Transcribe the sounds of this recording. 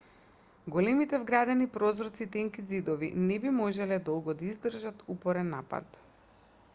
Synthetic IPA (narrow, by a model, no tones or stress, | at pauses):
ɡolɛmit̪ɛvɡɾad̪ɛnipɾɔzɾɔt̪sit̪ɛŋkid̪zid̪ɔvinɛbimɔʒɛlɛd̪ɔlˠɡɔd̪aizd̪r̩ʒat̪upɔɾɛnːapa̰t̪